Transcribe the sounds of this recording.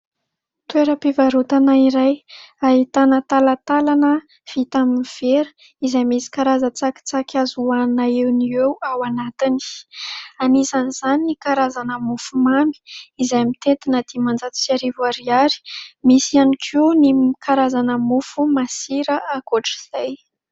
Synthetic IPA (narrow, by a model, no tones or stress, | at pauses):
t̪ueɾəpivaɾut̪anaiɾajait̪anət̪alat̪alanə | v̥it̪aminiv̥eɾə̥ | izajmisi̥kaɾazət͡saki̥t͡sakʰʲazuanaewniewawanat̪ini̥ | anizaniz̥aninikaɾazanəmufumami̥izajmit̪et̪inəd̪̥imand͡zat̪u̥siaɾivaɾiaɾi̥misianikʰunikaɾazanəmufumasiɾəʔakoʈ͡ʂi̥z̥aj